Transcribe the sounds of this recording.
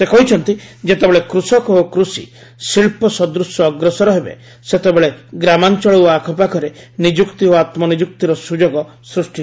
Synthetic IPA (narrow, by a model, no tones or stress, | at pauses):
sekɔɦit͡ʃʰɔnt̪id͡ʒet̪ebeɭekɾusɔkɔokɾusḭ | siɭpɔsɔd̪ɾusjɔːɡɾɔsɔɾɔɦebḛ | set̪ebeɭeɡɾamant͡ʃɔɭɔwakʰɔpakʰɔɾenid͡ʒukt̪ioat̪mɔnid͡ʒuk̚t̪iɾɔsud͡ʒoɡɔ | sɾusʈi